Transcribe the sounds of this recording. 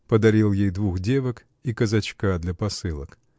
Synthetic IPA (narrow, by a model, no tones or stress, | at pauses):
pəd̪ɐɾʲilˠjejd̪vuxdʲevək | ikəzɐt͡ɕkad̪lʲɐpɐsɨlˠə̰k